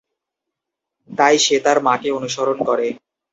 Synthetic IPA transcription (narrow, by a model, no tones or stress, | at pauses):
t̪ajʃet̪aɾmakeonuʃoɾonkɔɾe